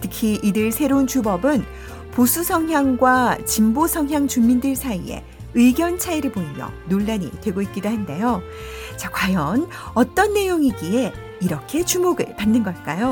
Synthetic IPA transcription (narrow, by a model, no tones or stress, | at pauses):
tʰɯkʰiʔidɯɭsʰe̞ɾount͡ɕubʌbɯn | posʰusʰʌŋjaŋɡwat͡ɕimbosʰʌŋɦjaŋt͡ɕumːindɯɭsʰaie̞̰ | ɯiɡjʌnt͡ɕʰaiɾɯɭboimjʌ̰noɭːaɲḭtwe̞ɡoit̚k͈idoɦande̞jo | t͡ɕakwajʌn | ʌt͈ʌnːe̞joŋiɡie̞ | iɾʌkʰe̞t͡ɕumoɡɯ̰ɭpanːɯnɡʌɭk͈ajo